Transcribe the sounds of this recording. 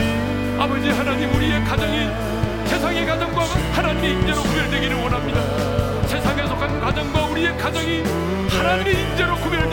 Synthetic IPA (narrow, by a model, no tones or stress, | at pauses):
abʌd͡ʑihanaɲimuɾie̞kad͡ʑʌŋi | se̞sʰaŋe̞kad͡ʑʌŋɡwaɡɯnhanaɲimeind͡ʑe̞ɾokubjʌɭdwe̞ɡiɾɯnwʌnɦamɲida | sʰe̞sʰaŋe̞sʰʌkakad͡ʑʌŋɡwauɾie̞kad͡ʑʌŋi | hanaɲimiind͡ʑe̞ɾokubjʌɭd